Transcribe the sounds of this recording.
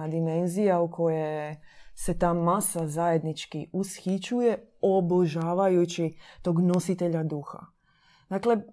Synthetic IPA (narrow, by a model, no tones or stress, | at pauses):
ad̪ime̞nzijaukʰo̞jese̞t̪aːmasazaje̞d̪nit͡ʃkiusxit͡ɕujeo̞bl̩ʒaːʋajut͡ʃit̪o̞ːɡno̞sit̪e̞ʎad̪uxa̰ | d̪akle̞